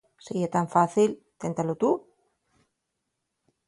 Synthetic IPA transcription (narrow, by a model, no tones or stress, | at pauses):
seet̪aɱfaθil | t̪ent̪alot̪u